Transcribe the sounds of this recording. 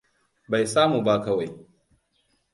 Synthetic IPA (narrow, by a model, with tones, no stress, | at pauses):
ba˨jsaː˦mu˨ba˦kɐ˦wa˨j